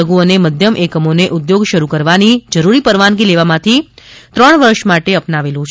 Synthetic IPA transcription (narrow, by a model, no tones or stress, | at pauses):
əɡuoneməd̪ʱjəmʔekəmoneʔud̪joɡʃəɾukəɾʋanid͡ʒəɾuɾipəɾʋanɡileʋamãt̪ʰit̪ɾəɳʋəɾʃmaʈeəpnaʋelũt͡ʃʰ